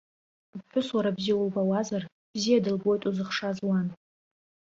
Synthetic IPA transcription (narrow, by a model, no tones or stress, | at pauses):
bħʷᶣʊswaɾabzijawulbawazar | b̥zijadɨlbo̞jtʼuzɨχʂazwan